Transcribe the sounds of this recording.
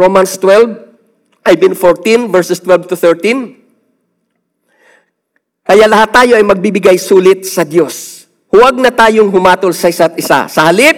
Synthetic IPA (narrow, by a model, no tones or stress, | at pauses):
ɹomɐnst̪wɛlv | ʔɐjbɪnfoɹt̪ĩnvɛɹsɛst̪wɛlvt̪ʊθɛɹt̪in | kɐjalɐhat̪ːaːjo̞ʔɐjmɐɡ̚bibɪɡajsuːlɪt̪̚sɐd̪jo̞s | hʊwɐɡ̚nɐt̪aːjoŋɦʊmaːt̪olsɐʔɪsat̪̚ʔɪsa̰sɐhɐlɪp̚